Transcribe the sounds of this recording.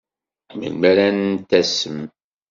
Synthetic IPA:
mə̰lmæɾænnt̪æsəm

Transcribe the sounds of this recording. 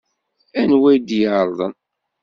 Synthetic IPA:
ænwæjd̪jəʕɾˤðˤən

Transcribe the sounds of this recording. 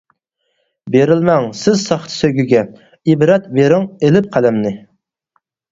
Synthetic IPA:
beɾɪlmɛŋsɪzsɑχt̪ʰɨ̥søɡʲyɡʲɛ | ibɾɛt̪beɾɪŋelɪp̚qʰælɛmnɪ

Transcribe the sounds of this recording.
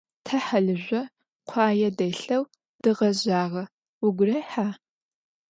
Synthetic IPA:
tʰɐħaɮɨʑʷɔ | qʷʰɑːjɛdɐjɬɐw | d̥ɨʁɐʑaːʁɐ | wʊɡʷʊrɐjħaː

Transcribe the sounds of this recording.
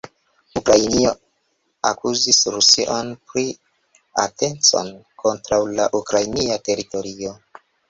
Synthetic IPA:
ukɾajnio̞ | akuzisɾusiʔo̞npɾi | a̰tʰe̞nt͡so̞̰nkʰo̞ntɾawlaʔukɾajniate̞ɾito̞ɾio̞

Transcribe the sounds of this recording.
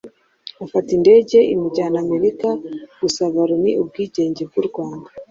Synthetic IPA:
afatinde̞ːɟe̞ʔimuɟaːname̞ɾikaɡ̥usaβaɾoniʔub̚ɡiːɟe̞ːɲɟe̞b̚ɡuɾɡwaːnda

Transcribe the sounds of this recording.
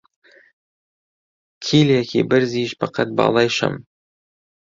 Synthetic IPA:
kʲʰilʲakʲʰḭbɪɾziʃpʰɑqʰɑt̪̚bɑ̰lˠɑjʃɑ̰m

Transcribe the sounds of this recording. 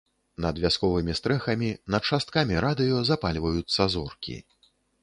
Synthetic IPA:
nɐd̪vʲaskɔvɨmʲist̪ɾɛxɐmʲinɐt̪̚t͡ʂast̪̚kamʲiɾad̪ɨjɔzapalʲvɐjut̪sːɐzɔrkʲḭ

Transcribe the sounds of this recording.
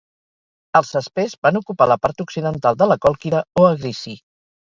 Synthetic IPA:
əlˠsəspezβanukupaləpaɾt̪uksiðənt̪alˠd̪ələkɔlˠkiðəoəɣɾisi

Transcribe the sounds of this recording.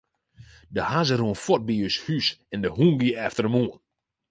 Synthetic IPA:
dəhazəruənfɔt̚biøshysɛndəhuːnɡiɛftərəmuːən

